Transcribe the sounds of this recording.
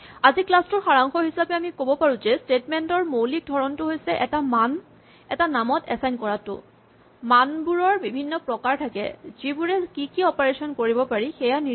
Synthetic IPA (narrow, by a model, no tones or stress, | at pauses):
aziklastʊɹxaɹaŋxɔɦisapɛamikobɔpaɹuzɛstetmɛntɔɹmowlik̚dʱɔɹɔntʊɦojsɛʔɛtaman | ɛtanamɔtɛsajnkɔɹatʊ̰ | manbuɹɔɹbibʱinːɔpɹɔkaɹtʰakɛ̰zibuɹɛkikiɔpaɹesɔnkoɹibɔpaɹixɛjani